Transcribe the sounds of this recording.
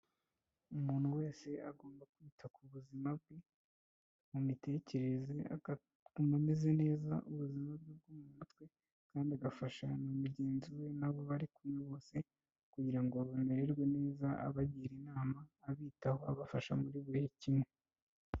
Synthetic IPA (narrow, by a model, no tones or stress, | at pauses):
umuːn̥huwe̞ːse̞ʔaɡo̞ːmbakwiːtʰakuβuzimab̚ɡe | mumite̞ːce̞ɾe̞zea̰ɡa | kumameze̞ne̞ːza̰ʔuβuzimab̚ɡeb̚ɡumumutkwe̞ | kaːndiaɡafaʃanumuɾɟeːnziwe̞naβo̞βaɾikumŋeβo̞ːse̞ | kuɟiɾaŋɡoβameɾe̞ɾɡwe̞ne̞ːzaʔa̰βaɟiːɾinaːmaːβiːtaho̞aβafaʃamuɾiβehecimwe̞